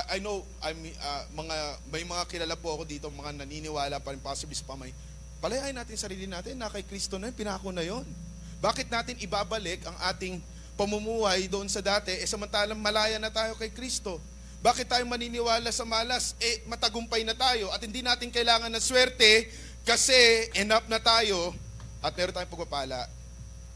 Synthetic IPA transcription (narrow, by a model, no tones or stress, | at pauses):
ʔɐjnow | ʔɐjm | amɐŋamɐjmɐŋakɪlɐlapoʔɐko̞d̪iːt̪oŋmɐŋanɐninɪwaːlɐpaɾɪŋpaːsɪblisɐpɐmɐj | pɐlɐjaːʔɪnaːt̪ɪŋsɐɾiːlɪnaːt̪ɪnːɐkɐjkɾist̪onɐjonpɪnaːkonɐjo̞n | baːkɪt̪̚naːt̪ɪnɪbaːbɐlɪkɐŋʔaːt̪ɪŋ | pɐmʊmuːhɐjd̪oʔo̞nsɐd̪aːt̪ɛʔɛsɐmɐnt̪aːlɐŋmɐlaːjɐnɐt̪aːjo̞kɐjkɾist̪o̞ | baːkɪt̪ːaːjo̞ŋmɐniːnɪwaːlɐsɐmaːlɐsʔɛmɐt̪ɐɡʊmpɐjnɐt̪aːjo̞ʔɐt̪̚hɪnd̪inaːt̪ɪŋkɐʔɪlaːŋɐnɐswɛɾt̪ɛ | kɐsɛʔɛnap̚nɐt̪aːjo̞ | ʔɐt̪mɛːɾonaːjõpɐɡ̚pɐpaːlɐ̰ʔ